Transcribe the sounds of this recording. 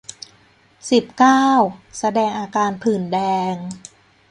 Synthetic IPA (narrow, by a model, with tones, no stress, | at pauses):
si˨˩p̚kaː˥˩wsa˧dɛː˧ŋʔaː˧kaː˧npʰɯː˨˩ndɛː˧ŋ